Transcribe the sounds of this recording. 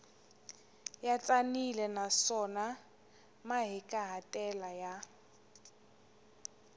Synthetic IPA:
jat͡sʼanilɛnasɔna | maɦɪkʼaɦatʼɛlaja

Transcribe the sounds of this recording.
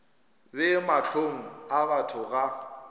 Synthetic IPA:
lɪmaɬʰoŋ̩abatʰʊɣa

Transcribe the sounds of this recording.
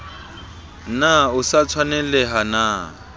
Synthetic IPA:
naʊsat͡sʰwanɛlɛɦana

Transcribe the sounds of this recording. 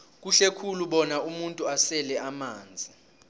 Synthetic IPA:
k̬uɬekʰuluɓɔnaumuntʼuasɛlɛʔamaːnd͡zʱi

